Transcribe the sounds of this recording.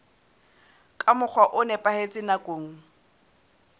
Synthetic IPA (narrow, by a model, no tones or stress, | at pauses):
kʼamʊk͡xʰwaʔʊnɛpʼahet͡sʼɪnakʼoːŋ̩